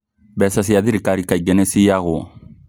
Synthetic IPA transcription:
bɛsas̬ijad̪iɾikaɾikaɟɛnesijaɣo

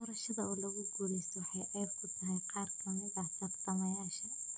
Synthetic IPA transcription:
ɔɾɐʃɐðɐɔːlɐɣʊɡuːɽɛjsʰɔwɑħɑjʔɛjb̚kʰʊt̪ʰɐɦɛjqʰɑːrkʰɐmɪðɐt̪ɐɡt̪ʰɐmɐjaːʃɐ

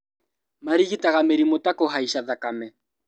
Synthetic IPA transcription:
maɾiɣitaɣameɾimotakoɦaiʃaðakamɛ

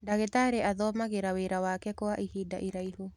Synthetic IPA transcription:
daɣetaɾeʔaðɔmaɣeɾaweɾawakɛkoaʔihiːda̰ʔiɾaiɦu

